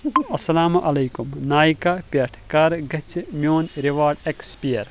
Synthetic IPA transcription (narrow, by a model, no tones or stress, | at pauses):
ɐsɐlaːmʔɐlɐjkumnaːjkapʲeʈʰkɐɾɡɐt͡ʃʰmjoːnɾiʋaːɾɖekspiɐɾ